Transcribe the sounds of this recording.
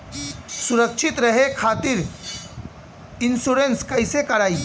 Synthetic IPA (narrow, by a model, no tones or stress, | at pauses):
sʊɾəkʃʰɪt̪ɾɐɦekʰaːt̪ɪɾ | ɪnsuːɾenskɐɪsekɐɾaːiː